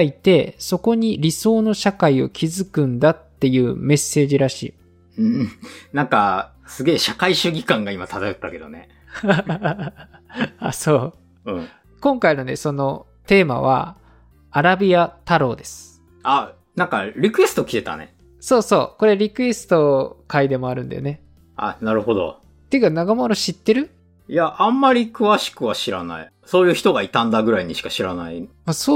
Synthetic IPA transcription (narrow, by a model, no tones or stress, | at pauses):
it̪e̞so̞ko̞ɲ̟iɾʲiso̞ːno̞ɕakaio̞̰kʲʰizɨkɯ̟̃nd̪at̪ːe̞jɯ̟ːme̞sːe̞ːʑiɾaɕḭː | ɯ̃nãŋka | sɨɡe̞ːɕakaiɕɨɡʲikãŋɡaimat̪at̪aɯt̪ːake̞d̪o̞̰ne | aso̞ː | ɯ̃ | kõ̞ŋkainone̞so̞no̞ | t̪e̞ːma̰βa̰ | aɾabʲiat̪aɾo̞ːd̪e̞sɨ̥ | a | nãŋkaɾʲikɯ̟esɨ̥t̪o̞kʲi̥t̪e̞t̪a̰nḛ | so̞ːso̞̰ːko̞ɾe̞ɾʲikɯ̟e̞sɨ̥t̪o̞kaid̪e̞mo̞aɾɯ̟̃nd̪a̰jo̰ne̞ | a̰naɾɯ̟ho̞d̪o̞̰ | t̪ekanaɡamoɾo̞ɕit̪ːe̞ɾɯ̟ | jaʔãmːaɾʲikɯ̟βaɕi̥kɯ̟βaɕiɾana̰i | so̞ːjɯ̟ːçi̥t̪o̞ɡait̪ãnd̪aɡɯ̟ɾaiɲ̟iɕi̥kaɕiɾanai | asoː